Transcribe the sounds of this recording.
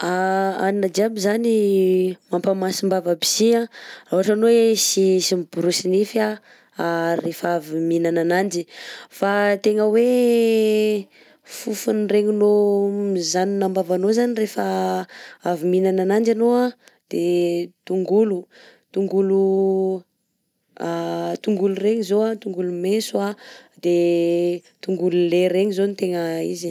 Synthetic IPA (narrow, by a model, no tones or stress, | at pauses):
aaninad͡ʒiabizani | mampamasimbavabi̥ziãraɦaʈ͡ʂanowesisimib̥uɾusinifia | arefaviminananand͡ʒifat̪eŋəwe | fufunreŋunomizaninambavanozanirefə | aviminananand͡ʒanoa | d̪̥et̪uŋɡulu | t̪uŋɡulu | at̪uŋɡulureɲizoat̪uŋɡulumesuad̪e | t̪uŋɡululeɾeɲizonit̪eŋəḭzi